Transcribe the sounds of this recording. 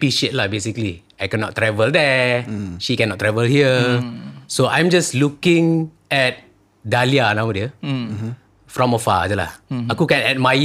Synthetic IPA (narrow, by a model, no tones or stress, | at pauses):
piʃet̚labesikli | ajkɛnɔt̚tːɹɛvəldɛ | ʃikɛ̃nɔtːɹɛvəlhiə | soʔãj̃md͡ʒaslukɪ̃ŋ | ɛt̚ | dalianãwwdə | fɹɔ̃mɔfa̰dəla̰akukɛ̃nɛt̚maj